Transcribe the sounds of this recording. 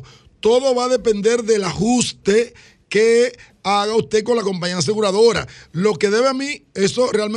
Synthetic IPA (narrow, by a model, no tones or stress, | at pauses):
t̪o̞ðo̞βaðe̞pẽ̞nd̪e̞ɾðe̞lahust̪e | ke | aɣaust̪e̞ko̞nlako̞mpaɲias̬e̞ɣuɾaðo̞ɾa̰lo̞ke̞ðe̞βeamie̞sorealme